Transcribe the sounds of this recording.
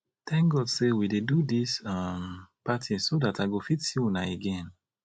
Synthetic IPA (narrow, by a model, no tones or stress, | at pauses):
θɛ̃ŋk̚ɡɔdsewidedudisampatʰĩsodataɪɡofitsinaeɡɛ̃n